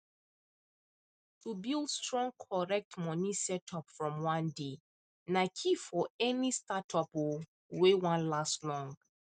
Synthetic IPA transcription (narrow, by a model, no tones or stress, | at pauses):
tʰubilˠdstɹɔ̃ŋkʰɔɹɛk̚tmɔ̃nĩsɛtʰɔpfɹɔ̃mwãnde | nakʰifɔɛnistatʰɔpwu | wewãnlastlɔ̃ŋ